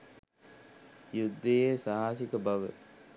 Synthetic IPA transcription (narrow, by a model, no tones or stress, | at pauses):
jud̪ːejeːsaɦaːsikəbɐʋə̰